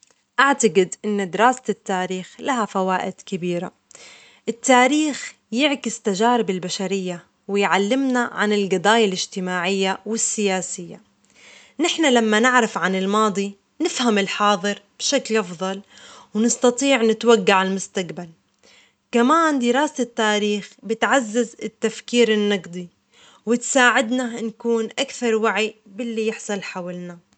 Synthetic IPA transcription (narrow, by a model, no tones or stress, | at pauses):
ʔaʕt̪aɡɪd̪ʔɪnːd̪ɪɾaːsɪt̪ːaːɾiːxlaɦafawaːʔɪd̪̥kɪbiːɾa | ʔɪt̪ːaːɾiːx | jɪʕkɪst̪aʒaːɾɪbɪlbaʃaɾɪjːa | wɪjʕalːɪmnaʕa̰nɪlɡɑd̪ˤɑːjalɪʒt̪ɪmaːʕɪjːawɪsːɪjaːsɪjːa | nɪħnalamːanɪʕɾafʕanɪlmɑːd̪ˤi | nɪfhamɪlħɑːðˤɨɾb̥ʃaklʔɑfðˤɑlwnɨst̪ɑt̪ˤiːʕnɪt̪waɡːaʕalmʊst̪akbal | kamaːnd̪ɪɾaːsɪt̪ːaːɾiːxbɪt̪ʕazːazɪt̪ːafkiːɾɪnːɑɡd̪ˤi | wɪt̪saːʕɪd̪nankuːnʔakθɑɾˤwaʕibɪlːijɪħsˤɑlħawɪlna